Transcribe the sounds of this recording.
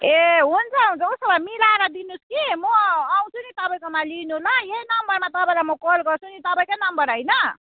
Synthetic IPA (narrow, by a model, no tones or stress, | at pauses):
eɦunt͡sʰʌɦũnt͡sʰʌusʌbamilaɾʌd̪inuskimʌaw̃t͡sʰunit̪ʌpaĩkomalinulʌjenʌmbʌrmat̪ʌpaĩlamʌkolɡʌrt͡sʰunit̪ʌpaĩkanʌmbʌɾɦʌjnʌ